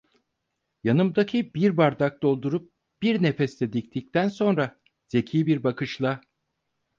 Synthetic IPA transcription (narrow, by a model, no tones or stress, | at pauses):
janɯmd̪acʰibiɾbaɾd̪ak̚d̪o̞lˠd̪uɾup̚ | b̥iɾnefɛsɛd̪ict̪ʰic̚t̪ʰænso̞nɾa | z̥e̞cʰiːbiɾbakɯʃlˠa